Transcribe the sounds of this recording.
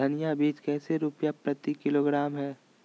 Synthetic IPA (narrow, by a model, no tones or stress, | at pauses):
ɐnɪjabiːt͡ʃkɛːseɾʊpjapɾɐt̪ikɪloːɡɾaːmɦɛː